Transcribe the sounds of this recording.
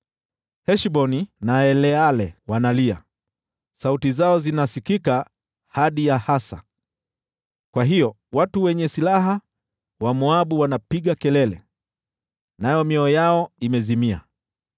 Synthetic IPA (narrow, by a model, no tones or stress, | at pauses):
hɛʃɓɔninaɛlɛalɛwanalia | sautizaɔzinasikika | haɗijahasa̰ | kwaɦijɔ | watuwɛɲɛsilaɦa | wamuaɓuwanapiɠakɛlɛlɛ̰ | najɔmjɔɔjaɔimɛzimia̰